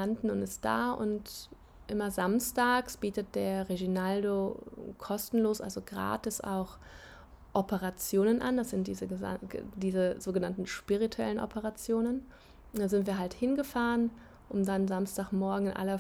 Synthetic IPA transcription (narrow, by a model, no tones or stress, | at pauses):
andn̩ʊntɪst̚d̥a̰ːʔʊ̰nt | ʔɪmɐzamstaːksb̥iːtət̚d̥eːɐʁeɡinaldokʰɔstn̩loːsʔa̰lzoɡʁa̰ːtɪsʔa̰ʊx | ʔɔpəʁat͡sjoːnənʔa̰ndasz̥ɪnt̚d̥iːzəəa̰diːzəzoːɡənantn̩ʃpiʁ̞itʰuɛ̰lənʔɔ̰pʰəʁat͡sjoːnən | dazɪntv̥iːɐɦalthɪnɡəfaːʁən | ʔʊmdanzamstaːkmɔɐɡŋ̩ɪnʔa̰lɐ